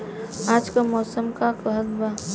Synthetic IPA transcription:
aːd͡ʒkamɔːsəmkakəɦəlbaː

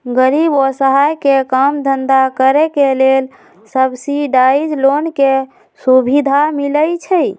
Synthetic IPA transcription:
ɡəɾibosəɦajkekəmd̪ʱənd̪akəɾɛkelel | səbsiɖaid͡ʒlonke | subʱid̪ʱamiləjt͡ʃʰə

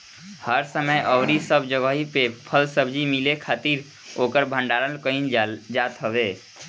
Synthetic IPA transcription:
həɾsəməjʔɔːɾisəbd͡ʒəɡəɦipepʰəlsəbd͡ʒimɪlekʰaːt̪iːɾ | oːkəɾbʱə̃ɳɖaːɾəlkəĩnd͡ʒaːt̪ɦəʋeː

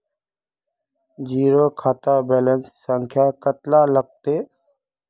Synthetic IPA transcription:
d͡ʒiːɾoːkʰaːt̪aːbeːlənsːəŋkʰjaːkət̪laːləɡ̚t̪eː

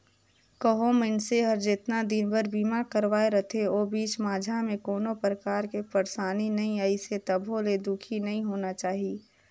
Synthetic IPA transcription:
kəɦomeɳseɦəɾd͡ʒɪt̪nad̪ɪnbəɾbiːmakəɾʋaːeɾət̪ʰeoːbiːt͡ʃmaːd͡ʒʱamẽkoːnopɾəkaːɾkepəɾsaːninɐɦĩaiset̪əbʱoled̪ʊkʰinɐɦĩɦoːnat͡ʃaːɦie

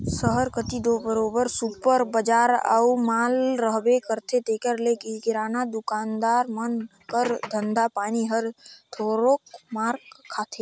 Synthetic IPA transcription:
səɦəɾkət̪id̪obəɾoːbəɾsupəɾbəd͡ʒaːɾə̰umaːlɾəɦbekəɾt̪ʰet̪eːkəɾlekikɪɾaːnad̪ʊkaːnd̪aːɾmənkəɾd̪ʱənd̪apaːniɦəɾt̪ʰoːɾokmaːɾkʰːaːt̪ʰe

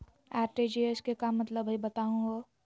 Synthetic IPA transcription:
aːɾʈed͡ʒieskekamːɐt̪ləbibɐt̪aũɡo

